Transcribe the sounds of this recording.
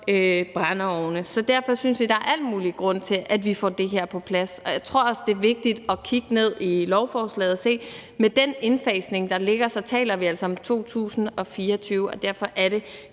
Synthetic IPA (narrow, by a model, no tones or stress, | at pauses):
øb̥ʁɑnəɒʊnəsɒ̽d̥æɐ̰fɒ̽synsʋid̥ɑ̈æʔæl̰̥muːliɡ̥ʁɔ̽n̰t͡sʰe̝ʔæd̥ʋifɒ̰ːd̥e̝ɦeɐ̰pʰɒ̽pʰlæsɒ̽jaɪt͡sʰʁo̝ɐ̰ɒ̽sd̥e̝ɐʋe̝ɡ̥̚d̥id̥ɒ̽kʰiɡ̥əne̝ð̰ˠilɒʊfɒːslɛ̰ːð̩ˠse̝̰ːmed̥ene̝nfɛːsne̝ŋd̥ɑ̈le̝ɡ̥ɐsɒt͡sʰɛ̰ːlɐʋiæl̰sɐɒ̽mt͡sʰo̝̰ːt͡sʰṵːsn̩ɒ̽fiːɐɒt͡sʰyːʊəɒ̽d̥æɐ̰fɒ̽ʔæɐɾe̝